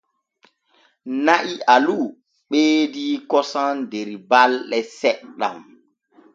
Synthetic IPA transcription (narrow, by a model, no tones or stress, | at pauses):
naʔialu | ɓeːdiːkɔsandeɾibalɗɛsɛʔɗa̰m